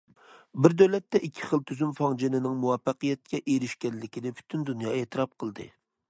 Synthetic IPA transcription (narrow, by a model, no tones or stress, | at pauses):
bɪɾd̪øwlɛt̪ːɛʔikʲʰːɪ̥χəlˠt̪ʰyzymfɑŋd͡ʒenɪnɪŋmuwɑfɑqəjɛt̪̚kʲɛʔeɾɪʃkʲɛnlɪkʲʰid̪ɛpʰy̥t̪ʰynd̪unjɑːet̪ʰɨɾɑp̚qʰəlˠd̪ɨ̰